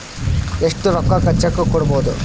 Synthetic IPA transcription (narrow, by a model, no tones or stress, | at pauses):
eʂʈuɾɔkːɐkɐt͡ʃːɐkːukɔɽɐboːd̪u